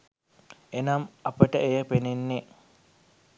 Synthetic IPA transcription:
enamɐpəʈəʔejəpenenːe

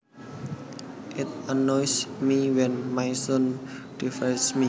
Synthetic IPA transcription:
ʔɪt̪̚anɔjsmiwɛ̃nmajson | d̥ifɛsmi

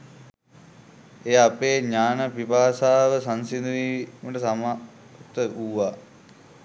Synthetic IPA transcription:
eːapeːɲaːnəpipaːsaːʋəsansind̪uʋiːməʈəsama | t̪əʔuːʋaː

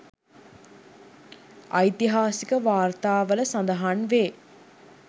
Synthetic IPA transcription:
ʔɐjt̪iɦaːsikəʋaːɾt̪aːʋɐləsɐnd̪ɐɦanʋeː

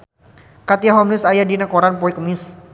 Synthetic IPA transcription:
kat̪iaɦɔmnɪsajadinakɔɾanpɔikəmɪs

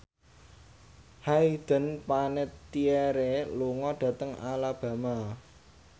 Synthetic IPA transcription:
haid̪̥ə̤npanɪt̪ːiɛɾeluŋɔɖ̥ä̤t̪əŋa̰lab̥ä̤ma

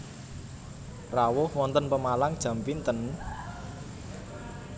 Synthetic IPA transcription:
rawʊhwɔnt̪ənpəmalaŋd̥ʒ̥ä̤mpint̪ən

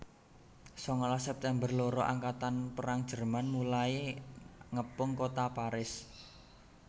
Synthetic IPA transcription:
sɔŋalasɛp̚t̪ɛmbərloɾɔʔa̰ŋkat̪anpəɾaŋd̥ʒ̥ə̤rmanmulae | ŋəpʊŋkot̪apaɾɪs

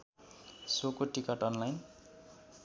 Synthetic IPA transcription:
sokoʈikʌʈʌnlajn

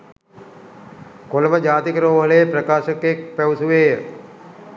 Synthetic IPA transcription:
kolʋəd͡ʒaːt̪ikɾoːʋɐleːpɾɐkaːʃəkek̚pewsuʋeːjə

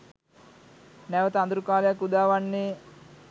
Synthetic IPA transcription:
nɛʋət̪əand̪uɾukaːlejakud̪aːʋanːe

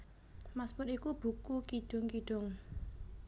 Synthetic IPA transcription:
maspʊt̪ikub̥ṳkukiɖ̥ʊ̤ŋkiɖ̥ʊŋ

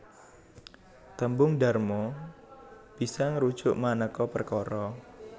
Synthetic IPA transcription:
t̪əmbʊŋɖarmɔ | b̥isaŋɾud̥ʒ̥ʊʔmanəkɔpərkɔɾɔ

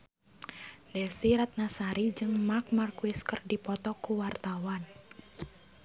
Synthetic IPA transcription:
dɛsiɾat̪̚nasaɾid͡ʒɨŋmak̚markwiskərdipɔt̪ɔkuwart̪awan

